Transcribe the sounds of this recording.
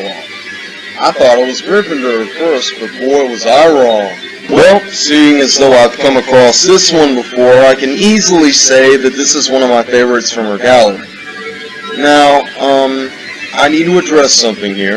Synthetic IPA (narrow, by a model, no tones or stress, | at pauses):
ɔ̰ | aɪθɔɾɨt̚wʌzdɹɪvɨ̃n̩ə˞ɨfɜ˞sb̥ɨfɔɹɨt̚wʌzaɪɹɔ | wɛlˠsiɪ̃ŋɨzðoʊaɪv̥kʰʌ̃məkʰɹ̥ɔsðɪswʌ̃nbəfɔɹaɪkɨ̃nizl̩ˠiseɪðɨt̪̚ðɪsəzwʌ̃ñʌvmaɪfeɪvə˞ɨtsfɹʌ̃mə˞ɡælˠə˞ḭ | naʊʌ̃m | ʔaɪnid̚təɨdɹɛsʌ̃mθɪ̃ŋhiɹ